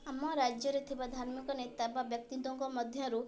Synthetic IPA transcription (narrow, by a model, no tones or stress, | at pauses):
amːɔɾad͡ʒjɔɾet̪ʰibad̪ʱaɾmikɔnet̪ababjɔk̚t̪id̪ɔŋkɔmɔd̪ʱjɔ̃ɾu